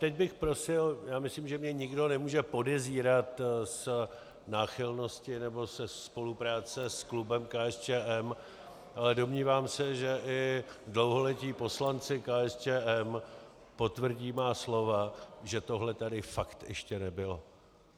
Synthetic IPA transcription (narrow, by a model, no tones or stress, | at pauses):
t̪ɛɟ̚bɪxpɾo̞sɪljaːmɪslimʒɛmɲɛɲɪɡdo̞nɛmuːʒɛpo̞dɛziːɾat̪s | naːxɪlno̞scɪnɛbo̞sɛspo̞lupɾaːt͡sɛsklubɛmkaːɛst͡ʃɛːʔɛm | ʔalɛdo̞mɲiːvaːmsɛʒɛʔɪdlo̞wɦolɛciːpo̞slant͡sɪkaɛst͡ʃɛːʔɛm | po̞t̪vr̩ɟiːmaːslo̞vaʒɛt̪o̞ɦlɛt̪adɪfakt̪jɛ̰ʃcɛnɛbɪlo